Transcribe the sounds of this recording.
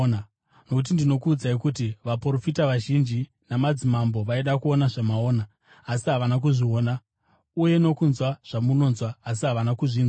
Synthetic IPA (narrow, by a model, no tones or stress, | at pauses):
nokut̬indino̞kuːd͡zaikutiʋapro̞fitaʋaʒind͡ʒi | namad͡zimambo̞ʋaiɗakuo̞naʐamao̞ːnaː | siɦaʋanak̬uʐio̞ːna | uje̞no̞kunzwaʐ̥amuno̞nzwaːs̬iɦaʋanakuʐiːnwa